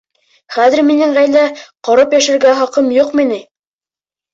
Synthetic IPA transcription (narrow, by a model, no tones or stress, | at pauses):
χæðɘ̆ɾminɘŋʁæjlæqɑɾɤpjæʃɘ̆ɾɡæχɑqɤmjuqminɘ